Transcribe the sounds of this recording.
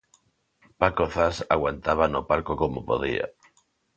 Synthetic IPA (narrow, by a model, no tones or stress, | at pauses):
pakoθasaɣwant̪aβ̞anopalkokomopo̰ð̞ḭa̰